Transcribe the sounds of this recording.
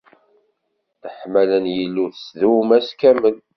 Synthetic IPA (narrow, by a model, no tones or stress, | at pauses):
θəħmælənjəlːuθəsðumæskæmən